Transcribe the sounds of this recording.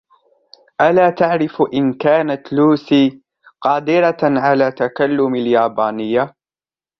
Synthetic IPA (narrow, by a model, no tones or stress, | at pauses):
ʔalaːt̪aʕɾɪfʔɪnkaːnat̪luːsiː | qɑːd̪ɪɾaʕalaːt̪akalːʊmaljaːbaːnɪjːa